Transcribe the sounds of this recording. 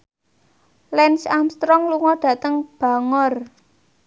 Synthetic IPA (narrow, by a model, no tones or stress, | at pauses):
lɛnsamst̪ɾɔŋluŋɔɖ̥ä̤t̪əŋb̥a̤ŋɔr